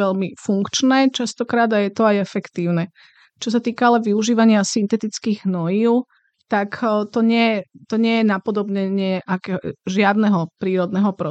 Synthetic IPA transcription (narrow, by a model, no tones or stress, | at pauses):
ɛʎmifuŋkt͡ʃnɛːt͡ʃast̪ɔkɾaːd̪ajɛt̪ɔajɛfɛkt̪iːʊnɛ | t͡ʃɔs̬at̪iːkaalɛʋiuʒiːʋaɲɪasint̪ɛt̪it͡skiːɣnɔjiʊ | t̪akt̪ɔɲɪɛjɛt̪ɔɲɪɛjɛnapɔd̪ɔbɲɛɲɪɛʔakɛʒɪad̪nɛɦɔpɾiːɾɔd̪nɛɦɔpɾɔ